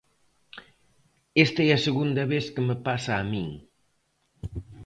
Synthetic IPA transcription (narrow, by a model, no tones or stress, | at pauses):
est̪aɛɐsəɣund̪ɐβeskəməpasaːmiŋ